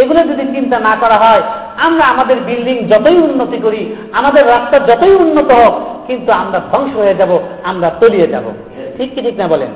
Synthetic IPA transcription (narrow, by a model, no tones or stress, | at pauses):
eɡuled͡ʒ̪id̪inkint̪anakɔɾaɦɔe | amɾaamad̪eɾbilɖiŋd͡ʒɔt̪ojunːot̪ikoɾi | amad̪eɾːast̪ad͡ʒɔt̪ojunːot̪ɔɦokkint̪uamɾad̪ʱɔŋʃoɦojed͡ʒaboamɾat̪olijed͡ʒa̰bo̰ | ʈʰikːiʈʰiknabɔlḛn